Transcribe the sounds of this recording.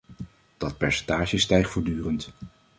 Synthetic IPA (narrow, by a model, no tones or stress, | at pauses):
d̥ɑt̚pɛɹsɛ̥ntaːʃəstɛjχtfoːɹdyːrənt